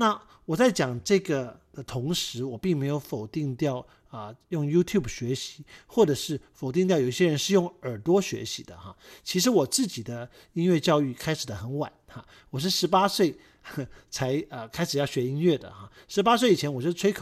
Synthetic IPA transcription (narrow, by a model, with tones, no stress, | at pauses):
na˥˩ | wɔ˨˩t͡sa˥˩ɪt͡ɕjɑ˨˩ŋʈ͡ʂɤ˥˩ɡə˩d̪̥ə˨t̪ʰʊ˧˥ŋʂɻ̩˧˥wɔ˨˩pi˥˩ŋme˧˥ɪjo˧˥ʊfo˨˩ʊt̪i˥˧ŋt̪jɑ˥˩ʊ | ə˧jʊ˥˩ŋju˥t̪ʰju˥˩bɕɥɛ˧˥ɕi̥˧˥xwɔ˥˩ʈ͡ʂɤ˨˩ʂɻ̩˥˩fo˨˩ʊt̪i˥˧t̪̬jji˥˩ɕjɛ˥ɻə˧˥nʂɻ̩˥˧jʊ˥˩ŋə˞˨˩t̪wɔ˥ɕɥɛ̰˧˥ɕḭ˧˩d̪ə̰˩xa̰˥˩t͡ɕʰi˧˥ʂ̬ɻ̩˧˥wɔ˨˩t͡sɹ̩˥˩t͡ɕi˨˩d̪ə˦ | i˥nɥɛ˥˧t͡ɕjɑ˥˧ʊy˥˩kʰa˥ɪʂɻ̩˨˩d̪ə˦xə˧˥nwa̰˨˩˦nxa˧ | wɔ˨˩ʂ̬ɻ̩˥˩ʂɻ̩˧˥pa˥swe˥˩ɪ | t͡sʰa˧˥ɪə˧kʰa˥ɪʂɻ̩˨˩jɑ˥˩ʊɕɥɛ˧˥i˥ŋɥɛ˥˩d̪ə̰˩xa̰˩ | ʂɻ̩˧˥pa˥s̬we˥˩ɪi˨˩ɛ˧˥nwɔ˨˩˥ʈ͡ʂʰwe˥ɪkʰ